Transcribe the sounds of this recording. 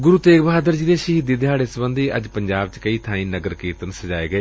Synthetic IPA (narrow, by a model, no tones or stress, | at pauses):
ɡʊɾuːt̪eːkbaːd̪əɾd͡ʒiːd̪eːʃiɦɪd̪iːd̪ɪɦaːɽɪsbənd̪ʱiːʔə̰d͡ʒpəɲd͡ʒaːbt͡ʃkəiːt̪ʰãːĩːnəɡəɾkiːɾt̪ənsəd͡ʒaːeːɡəeː